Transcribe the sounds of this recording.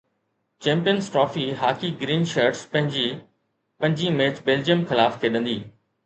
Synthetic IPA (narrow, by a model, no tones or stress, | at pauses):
t͡ɕɛ̃ːmpijənzʈɾɔːfiɦaːkiɡɾiːnʃəɾʈspɐ̃ɦɪ̃ɲd͡ʑiː | pɐ̃ɲd͡ʑĩmeːt͡ɕbeːld͡ʑijəmxɪlaːfkʰeːɗə̃nd̪iː